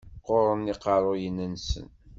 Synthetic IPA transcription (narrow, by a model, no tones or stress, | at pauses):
qːoɾˤənːiqɑɾˤojənːənsə̰n